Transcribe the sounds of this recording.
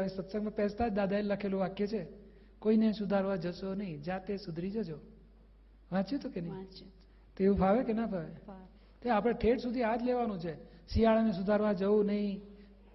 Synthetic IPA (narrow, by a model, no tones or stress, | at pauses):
ĩsət̪səɡmãpɛst̪ad͡ʒd̪ad̪aelləkʰelũʋakjet͡ʃʰe | koinesud̪ʱaɾʋad͡ʒəʃonəɦĩd͡ʒat̪esʊd̪ʱɾid͡ʒod͡ʒo | ʋãt͡ʃjut̪ʰokenəɦi | t̪oeʋũpʰaʋekenapʰaʋe | t̪oapɽ̃eʈʰeʈsud̪ʱiad͡ʒleʋanũt͡ʃʰe | siaɭanes̬ud̪ʱaɾʋãd͡ʒəũnəɦĩ